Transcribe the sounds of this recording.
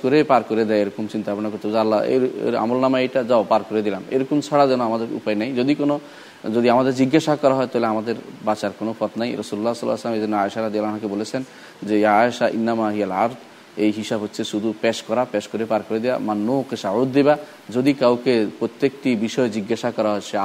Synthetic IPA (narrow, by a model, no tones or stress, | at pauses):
koɾepaɾkoɾed̪ɛaeɾɔkomt͡ɕint̪apɔnakoɾt̪eboalːaḛḛɾa̰molnamaejʈad͡ʑaopaɾkoɾed̪ilamḛɾɔkomsʰaɽad͡ʑɛnoamad̪eɾṵpaenajd͡ʑod̪ikono | d͡ʑod̪iamad̪eɾd͡ʑiɡːaʃakɔɾaɦɔet̪aɦleamad̪eɾbat͡ɕaɾkonopɔt̪najɾɔsululːasɔlːaslamed̪inːoaeʃaɾɔd̪ijalanɦakebolet͡ɕʰen | d͡ʑejaaeʃaʔḭnːamaɦijalaɾd̪ | ejɦisabʱɦotːɕʰeʃud̪ʱupeʃkɔɾapeʃkoɾepaɾkoɾed̪ijamanːoqeʃaud̪ːeba | d͡ʑod̪ikawkepɾot̪ːjekʈibiʃɔed͡ʑiɡːaʃakɔɾaɦɔeʃe